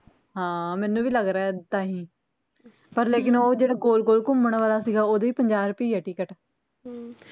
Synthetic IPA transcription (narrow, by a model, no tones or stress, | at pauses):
ɦãːmɛːnũːʋiːləɡɾaːɦɛːt̪aːɦĩː | pəɾleːkɪnoːd͡ʒeːɽaːkoːlkoːlkʊmːəɳʋaːlaːsiːɡaːoːd̪eːiːpəɲd͡ʒaːɾʊpiːɛːʈiːkəʈ